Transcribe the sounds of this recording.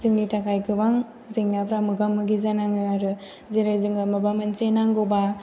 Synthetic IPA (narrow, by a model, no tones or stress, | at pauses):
ziŋnitakʰajkɯbaŋ | zeŋnapʰɾamɯɡamːɯɡizanaŋɯaɾɯ | zeɾajzɯŋɯmabamɯnsenaŋɡoba